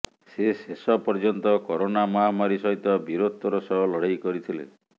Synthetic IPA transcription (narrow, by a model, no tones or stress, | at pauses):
sesesɔpɔɾd͡ʒɔnt̪ɔkɔɾonamɔɦamaɾisɔɦit̪ɔbiɾot̪ɔɾɔsɔɦɔlɔɽ̤ajkɔɾit̪ʰilḛ